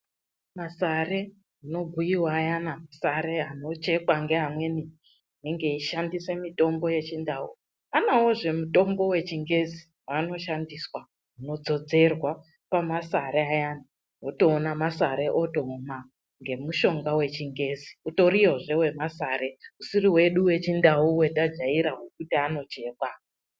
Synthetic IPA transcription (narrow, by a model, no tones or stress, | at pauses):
masare̞ | uno̞bʱujiwaːjanamasaɾe̞ano̞t͡ʃe̞kwaŋɡe̞ɦamwe̞ni | neŋɡe̞iʃandise̞mito̞mbo̞je̞t͡ʃindau | anawoʐe̞muto̞mbo̞we̞t͡ʃiŋɡe̞zi | wano̞ʃandiswa | ɦuno̞d͡zo̞d͡ze̞rwa | pamasaɾeajana | ɦoto̞ːnamasaɾe̞ʔoto̞ma | ŋɡe̞muʃo̞ŋɡawe̞t͡ʃiŋɡe̞ːziuto̞ɾijoʐe̞we̞masare̞usiriwe̞ɗuwe̞t͡ʃindaɦuwe̞tad͡ʒaiɾaɦokutiano̞t͡ʃe̞ːkwa